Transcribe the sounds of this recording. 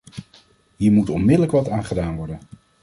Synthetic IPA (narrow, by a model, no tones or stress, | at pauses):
ɦiːɹmutɔnmɪdələkʋɑtaːnχədaːnʋɔɹdən